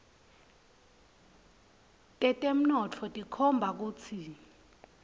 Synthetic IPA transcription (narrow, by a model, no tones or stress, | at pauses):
tʼɛtʼem̩nɔt͡fʰɔtʼikʰɔmbʱak̬uːt͡sʰi